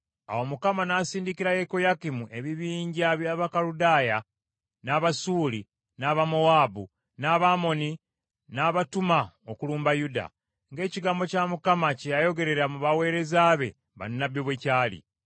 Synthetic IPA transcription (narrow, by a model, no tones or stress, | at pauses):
a̰wo̞mukamanaːsiːndikiɾajeko̞jakimuʔe̞βiβiːɲɟiaβjaːβakaludaːja | naβasuːli | naβamowaːbu | naːβamo̞ni | naːβatumaokuluːmbajuda̰ | ŋɡe̞ːciɡaːmbo̞camukamacejajo̞ɡe̞ɾe̞ɾamuβawe̞ːɾe̞zaːβe̞̰ | βa̰nːaβjoβwecaːlḭ